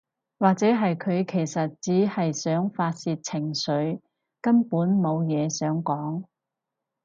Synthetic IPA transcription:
waː˨k̚t͡sɛː˨˥ɦɐ˨jkʰɵ˨˧ɥkʰe˨˩jsɐ˨t̚t͡siː˨˥hɐ˨jsœː˨˥ŋfaː˧t̚siː˧t̚t͡sʰɪ˨˩ŋsɵ˨˥ɥ | kɐ˥npuː˨˥nmo˨˧wjɛː˨˧sœː˨˥ŋkɔː˨˥ŋ

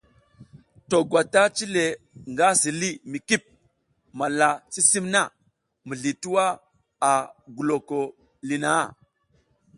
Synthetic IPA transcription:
to˨ɡwa˨ta˦t͡ʃi˦le˨ | ŋɡa˦si˨li˦mi˨ki˦˨p̚ | ma˨la˨t͡si˦si˦mna˦˨ | mə˨ɮi˨tu˦wa˦ | a˨ɡu˨lo˨ko˨ | li˨na˨˦˨

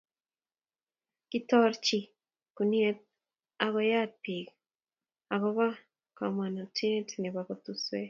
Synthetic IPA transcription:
kitɔ˦ɾt͡ʃi˨ | kuni˦e˦t̚ | a˦βo˦ja˦pi˨k | a˨ɣoβa˦ | ka˨mwa˨na˨ti˦tne˨βa˨βot̪uswe

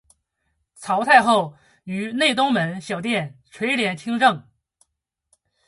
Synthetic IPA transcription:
t͡sʰɑ˧˥ʊt̪ʰa˥˧ɪxo˥˩ʊ | y˧˥ne˥˩ɪt̪ʊ˥ŋmə˧˥nɕjɑ˨˩ʊt̪jɛ˥˩nʈ͡ʂʰwe˧˥ɪljɛ˧˥nt͡ɕʰi˥ŋʈ͡ʂɤ˥˩ŋ

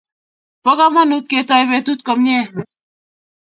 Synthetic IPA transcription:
pɔ˦ka˦ma˦nu˦t̪̚ke˨tɔ˦jβe˨tu˦t̪̚kɔ˨mɲɛ˦˨

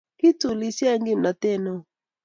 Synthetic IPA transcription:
ki˦tu˨li˨si˦a˦ŋɡi˦˨m̩˨na˨tɛ˦˨nɔ˨

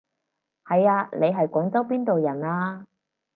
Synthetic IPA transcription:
hɐ˨jaː˧nʔe˨˧jɦɐ˨jkʷɔː˨˥ŋt͡sɐ˥wp̬iː˥nt̪o˨wjɐ˨˩naː˧

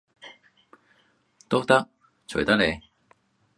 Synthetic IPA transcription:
t̪o˥k̚t̪ɐ˥k̚ | t͡ɕʰɵ˨˩jt̪ɐ˥le˨˧j

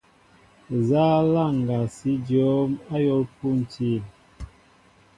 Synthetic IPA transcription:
za˦la˦˨ŋ˨ɡa˨si˨˦d͡ʒɔ˨˦ma˦jɔ˦lpu˦n˨ti˦˨n

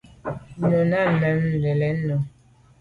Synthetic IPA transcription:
nɔ˨na˦˨mɛ˨˦m̩˨lɛ˨lɛ˨˦no˨

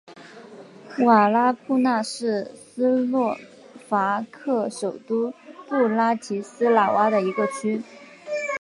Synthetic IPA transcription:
wa˨˩la˥pʰu˥˧na˥˧ʂɻ̩˥˩sɹ̩˥lwɔ˥˩ | fa˧˥kʰɤ˥˩ʂo˨˩ʊt̪u˥pu˥˩la˥t͡ɕʰi˧˥sɹ̩˥la˨˩wa˥d̪ə˨i˧˥ɡə˧t͡ɕʰy˥

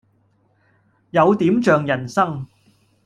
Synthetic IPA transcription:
jɐ˨˧wt̪iː˨˥mt͡ʃœː˨ŋjɐ˨˩nsɐ˥ŋ

